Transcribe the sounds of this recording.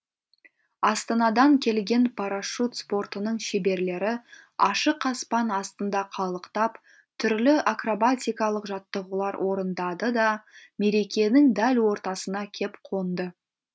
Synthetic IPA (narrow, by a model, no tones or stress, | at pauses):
ɑst̪ɑnɑd̪ɑŋkʲʰe̞lɡʲe̞npʰaɾaʃut̪spo̞rt̪ənəɴʃebe̞ɾle̞ɾɪɑʃəqːɑspɑnɑst̪ənd̪ɑqʰɑlˠəqt̪ɑp | t̪ʰʏɾlɪʔakrobat̪ʲijkɑlˠəqʒɑt̪ːəʁulˠɑɾwʔo̞ɾənd̪ɑd̪əd̪ɑme̞ɾe̞kʲe̞nɪŋd̪ælwo̞ɾt̪ɑsənɑkʲʰe̞pqʰo̞nd̪ə